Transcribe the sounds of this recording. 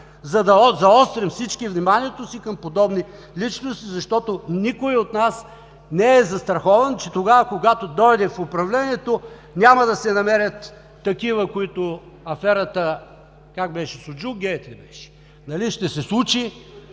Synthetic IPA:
zɐd̪ɐzɐɔst̪ɾɛmfsit͡ʃkivnimaniɛt̪osikɐmpod̪ɔbni | lit͡ʃnost̪izɐʃt̪ɔt̪onikoiot̪nas | nɛɛzɐst̪ɾɐxɔvɐnt͡ʃɛt̪oɡavɐkoɡat̪od̪ɔjd̪ɛfopɾɐvlɛnʲiɛt̪o | nʲamɐd̪ɐsɛnɐmɛɾʲɐt̪ː | ɐkivəkoit̪o | ɐfɛɾɐt̪ə | kak̚bɛʃɛsʊd͡ʒuɡʲɛt̪lɛbɛʃɛ̥ | nɐliʃt̪ɛsɛslˠut͡ʃi

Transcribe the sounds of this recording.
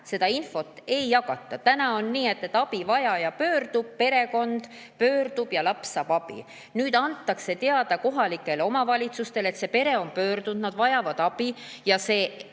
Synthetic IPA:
se̞d̪̥ɑinfo̞t̪ːˑe̞jːɑkɑt̪ːˑɑt̪ænɑo̞nːiːe̞t̪ːet̪ːˑɑb̥ivɑjɑjɑpø̞ːrd̪̥ub̥̚pe̞ɾe̞ko̞nd̪̥ | pø̞ːrd̪ub̥jɑlɑpsɑːb̥ɑb̥ḭ | nyːd̪̥ɑnt̪ːˑɑkse̞t̪e̞ɑd̪̥ɑko̞ɦɑlikːˑe̞lo̞mɑvɑlʲit̪sust̪e̞le̞t̪se̞pe̞ɾe̞o̞mpø̞ːrd̪̥und̪nɑd̪̥vɑjɑvɑd̪̥ɑb̥ijɑse̞ː

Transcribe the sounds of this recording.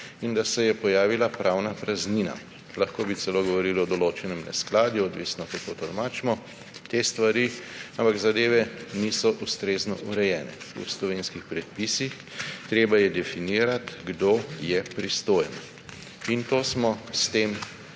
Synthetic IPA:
ind̪asɛjɛpɔjaːʋilapɾʔawnapɾazniːna̰ | laxkoːbit̪sɛloːɡɔʋɔɾiːlɔd̪ɔloːt͡ʃɛnɛmnɛ̰sklaːd̪juɔd̪ʋiːsnɔk̪at̪ot̪ɔlmaːt͡ʃmɔ | t̪est̪ʋaɾiampaɡzad̪eːʋɛnisɔʔust̪ɾeːznɔ̰ʔuɾɛjɛːnɛ̰ṵslɔʋeːnskixpɾɛt̪̚piːsix | t̪ɾeːbajɛd̪ɛfiniːɾat̪ɡd̪ojɛpɾist̪oːjnɔ | int̪oːsmɔst̪eːm

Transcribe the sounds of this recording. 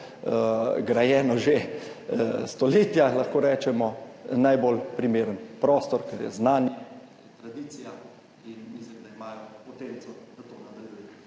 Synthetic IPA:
ɡɾajɛːnɔʒe | st̪ɔleːt̪jalɐxkoːɾɛːt͡ʃɛmɔnajbolpɾimeːɾənpɾɔːst̪ɔɾkɛɾjɛ̰znaːnjɛ | t̪ɾad̪iːt̪sija | inmislimd̪aimaːjɔpɔt̪ensɔd̪̥at̪onad̪ɐljujɛ

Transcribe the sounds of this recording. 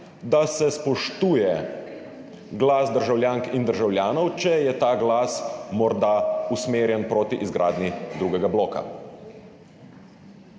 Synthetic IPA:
d̪asɛspɔʃt̪uːjɛ | ɡlaːsd̪əɾʒawljaːŋkind̪əɾʒawljaːnɔwt͡ʃɛjɛt̪aːɡlaːsmɔɾd̪ausmeːɾjɛnpɾoːt̪iʔizɡɾaːd̪nid̪ɾuːɡɛɡablɔːka̰

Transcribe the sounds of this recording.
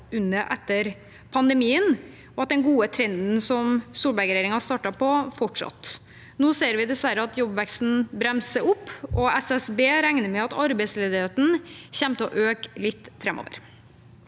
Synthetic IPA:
ʉnːəʔɛt̪ːəɾ | pʰɑnd̪əmiːən | ɔɑt̪̚d̪ɛnɡuːət̪ʰɾɛnd̪n̩sɔmsuːlbæɾɡɾeːɾɪŋɑst̪ɑːʈɑpɔfɔʈʂɑ̰t̪ː | noːseːɾʋɪd̪ɛsʋæɾəɑt̪jɔbʋɛkst̪n̩bɾɛmsəʊpːɔɛsɛsbeːɾæŋnəɾmɛɑt̪ɑɾbɛɪsleːd̪ɪheːt̪n̩çɛmt̪əɔʔøːklɪt̪ːfɾɛmʔo̰ʋə̰ɾ

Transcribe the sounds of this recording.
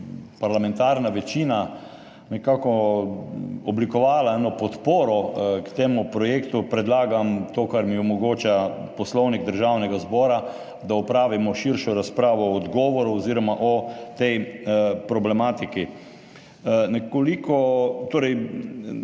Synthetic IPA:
paɾlamɛnt̪aɾnaʋɛt͡ʃiːna | nɛkakɔ | ɔblikɔʋaːlaɛːnɔpɔt̪poːɾɔkt̪eːmupɾɔjeːkt̪upɾɛd̪laːɡamt̪oːkaɾmiɔmɔɡoːt͡ʃapɔslɔwniɡd̪əɾʒawnɛɡazbɔːɾa | d̪aɔpɾaːʋimɔʃiɾʃɔɾaspɾaːʋɔːd̪ɡɔːʋɔɾuɔziːɾɔmaʔɔt̪ɛjpɾɔblɛmaːt̪iki | nɛkolikɔt̪oːɾɛj

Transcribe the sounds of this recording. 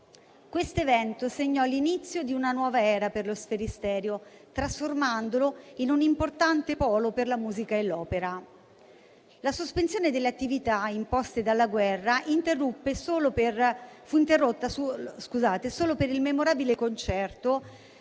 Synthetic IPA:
kwest̪oevɛnt̪oseɲːɔlːinit̪sːjod̪iunanwɔːvaɛːɾaperlosfeɾist̪ɛːɾjot̪ɾasformand̪oloinunimport̪ant̪epɔːloperlamuːzikaelːɔːpeɾa | lasospensjoːned̪elːeat̪ːivit̪aimpɔst̪ed̪alːaɡwɛrːaʔint̪erːupːesoːloperfuint̪erːot̪ːasuskuzaːt̪esoːlopeɾilmemoɾaːbilekont͡ʃɛrt̪o

